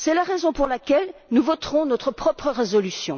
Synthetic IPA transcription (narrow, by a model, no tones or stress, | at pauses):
sɛlaʁezɔ̃puʁlakʲɛlnuvɔt̪ʁɔ̃nɔt̪χəpχɔpχəʁezɔlysjɔ̃